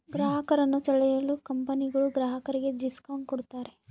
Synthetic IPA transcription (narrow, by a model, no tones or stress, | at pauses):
ɡɾaːɦɐkɐɾɐnːut͡ʃɐɭɛjɐlːukɐmpɐniɡɐɭuɡɾaːɦɐkɐɾiɡe̞diskaːɳkɔɽt̪aːɾe̞